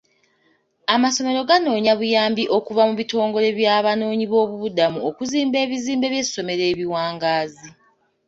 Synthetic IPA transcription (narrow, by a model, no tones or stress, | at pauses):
amaso̞me̞ɾo̞ɡano̞ːɲaβujaːmbiʔo̞kuvamuβito̞ːŋɡo̞le̞βjaːβano̞ːɲiβo̞ːβuβudamuokuziːmbe̞ːβiziːmbe̞βje̞so̞me̞ɾe̞ːβiwaːŋɡaːzi